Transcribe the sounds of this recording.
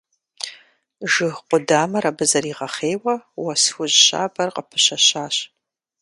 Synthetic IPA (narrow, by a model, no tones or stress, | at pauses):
ʒɨxqʷʼʊdaːmɐɾɐbɨzɐriːʁɐχeːwɐwɐswʷʊʑɕa̰ːbɐrqʼəpʰɨ̥ɕɐɕaːɕ